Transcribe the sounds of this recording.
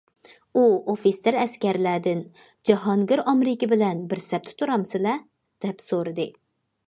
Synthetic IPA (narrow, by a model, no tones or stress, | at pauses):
uofisːeɾɛskʲɛɾlæd̪ɪn | d͡ʒɑɦɑŋɡʲɪɾɑmɾɪkʲɪbɪlɛnbɪɾsɛp̚t̪ʰɪ̥t̪ʰuɾɑmsɨlɛ | d̪̥ɛpsoɾɨd̪ɨ